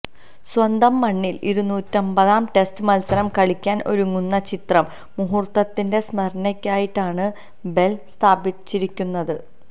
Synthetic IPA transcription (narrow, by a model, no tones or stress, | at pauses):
swɐnd̪ɐmːɐɳːiliɾunːuːtːɐmbɐðaːmʈe̞stɨmɐlsɐɾɐmkɐɭikʲːaːnʔo̞̰ɾuŋːunːɐt͡ɕit̪rɐmː | uɦurt̪ːɐt̪ːinde̞smɐrnɐkʲːaːjiʈːaːɳɨ | be̞lst̪ʰaːbit͡ɕːiɾikʲːunːɐðɨ